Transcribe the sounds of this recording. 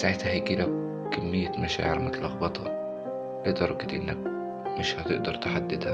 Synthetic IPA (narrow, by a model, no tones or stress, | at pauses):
saʕet̪hæhæjɡiːlæ | kæmːɪjːæmæʃa̰ːʕeɾmɪt̪lʔɑɣbɑt̪ˤhɑ̰ | let̪ɑɾˤɑɡet̪ʔɪnːæk̚ | mɪʃhæt̪ɪʔd̪ɑɾˤt̪eħad̪ːɪd̪hæ